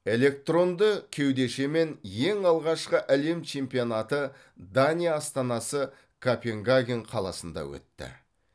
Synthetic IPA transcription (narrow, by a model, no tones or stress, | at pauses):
e̞le̞k̚t̪ro̞nd̪əkʲʰe̞wd̪e̞ʃe̞me̞nje̞ŋɑlˠʁɑʃqəʔæle̞mt͡ʃʰe̞mpijo̞nat̪ə | d̪anʲijaːst̪ɑnɑsə | kʰapʲeŋɡaɡʲinqʰɑlˠɑ̰sənd̪ɑ̰wɵ̰t̪ːɪ̰